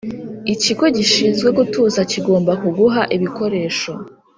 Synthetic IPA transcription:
iciɡo̞ɟiʃizɡwe̞ɡutuːzaciɡo̞ːmbakuɡuɦaʔiβiko̞ɾe̞ːʃo̞

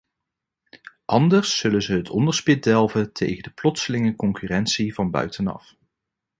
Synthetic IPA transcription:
ʔɑndəɹsːɵlənzəɦətʰɔ̰ndəɹspɪt̚dɛlˠvətʰḛjχəndəplɔtsəlɪŋəkɔŋkyrɛnsivɑnbœ̰ɥtʰənɑ̰f

